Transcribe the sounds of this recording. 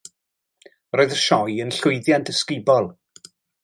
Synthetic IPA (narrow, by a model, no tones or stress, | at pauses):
roːɨðəʃɔjənɬʊɨðjandəskɪbɔlˠ